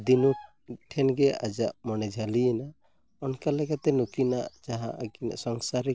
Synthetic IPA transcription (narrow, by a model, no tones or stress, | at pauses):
d̪inu | ʈʰɛnɡɛʔa̰d͡ʒaʔmɔnɛd͡ʒʱalijɛna | ɔnkalɛɡat̪ɛnukina̰ʔd͡ʒaɦã̰ʔaɡina̰sɔŋsaɾɛ